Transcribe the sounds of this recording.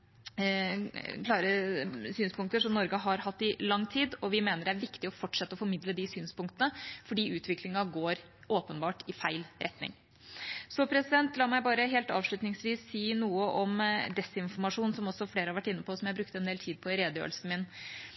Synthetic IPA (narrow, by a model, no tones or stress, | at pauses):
kʰlɑːɾəsyːnspʊŋk̚t̪əʂɔmnɔɾɡəɦɑɾɦɑt̪ːɪlɑŋːt̪ʰiːd̪ɔʋɪmeːnəɖɛæɾʋɪkt̪ɪɔfɔʈʂɛt̪ːəɔfɔɾmɪd̪ləd̪ɪsyːnspʊŋkt̪ənəfɔɖiːʔʉːt̪ʰʋɪklɪŋɑɡoːɾ | ʔoːpənbɑːʈɪfæɪlɾʔɛt̪nɪ̰ŋ | sɔpʰɾɛsɪd̪ɛnt̪lɑːmæɪbɑːɾəɦeːlt̪ɑ̰ːʋʂɭʉt̪nɪŋsʋiːsːiːnuːəʔɔmd̪ɛsɪnfɔɾmɑʂuːnsɔmɔsːɔfleːɾəhɑɾʋæʈːɪnːəpʰɔsɔmjæbɾʉkt̪əɛnd̪eːlt̪ʰiːd̪̚pʰɔɪɾeːd̪əjø̰ːɾlsn̩mɪn